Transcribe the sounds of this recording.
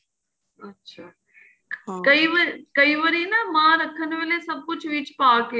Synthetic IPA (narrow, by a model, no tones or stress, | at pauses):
ɐtːʃʰa | kɐiʋəɾkɐiːʋəɾinɐmãːɾɐkʰənʋelesɐb̚kʊt͡ʃʰʋit͡ʃpaːkeː